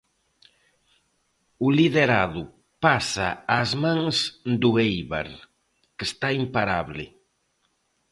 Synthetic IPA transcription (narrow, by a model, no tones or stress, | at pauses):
ʊliðeɾaðʊ | pasa̰azmãŋsd̪ʊejβa̰ɾ | kest̪aimpaɾaβlɪ̰